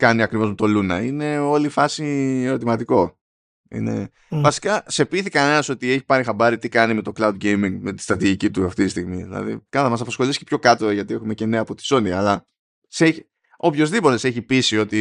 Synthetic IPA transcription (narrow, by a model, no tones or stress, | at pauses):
kɐniɐkɾivo̞zmet̪o̞lunɐine̞o̞lifɐsie̞ɾo̞t̪̬imɐt̪iko̞ | ḭne̞̰ | vɐsi̥kɐse̞piθikɐne̞nɐso̞t̪ie̞çi̥pɐɾixɐbɐɾit̪ikɐnime̞t̪o̞klɐud̪̚ɡejmiŋɡme̞t̪i̥st̪ɾɐt̪iʝicit̪uɐft̪it̪ist̪iɣmiðḭlɐ̰ðḭkɐθɐmɐsɐpɐsxo̞liscepço̞kɐt̪o̞ʝɐt̪ie̞xume̞ce̞neɐːpo̞t̪i̥so̞niɐlɐ | seçi | o̞pço̞zðipo̞t̪ese̞çipisio̞t̪i